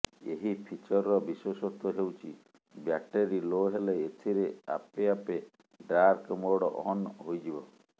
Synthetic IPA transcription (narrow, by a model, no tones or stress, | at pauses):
eɦipʰit͡ʃɔɾɔɾɔbiswɔsɔt̪ɔɦewt͡ʃʰḭ | bjak̚ʈeɾiloɦeleːt̪ʰiɾea̰peape | ɖaɾkmoɽɔ̰ʔɔnɦojd͡ʒibɔ